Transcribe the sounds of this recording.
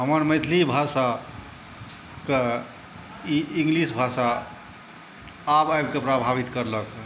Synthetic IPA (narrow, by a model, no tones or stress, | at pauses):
ɦəməɾməɪt̪ʰlibʱasa | ke | iĩŋɡlisbʱasa | bajbkepɾabʱaβit̪kəɾlək